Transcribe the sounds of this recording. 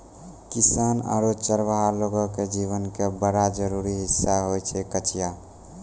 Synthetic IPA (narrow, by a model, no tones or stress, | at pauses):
kisana̰ɾot͡ʃəɾʋəɦaloɡɔked͡ʒiβənkebəɽad͡ʒəɾuɾiɦisːaɦojt͡ʃʰɛkət͡ʃija